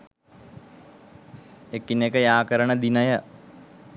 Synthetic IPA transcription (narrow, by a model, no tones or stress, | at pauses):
ekːinekəjaːkəɾəɳəd̪inəjə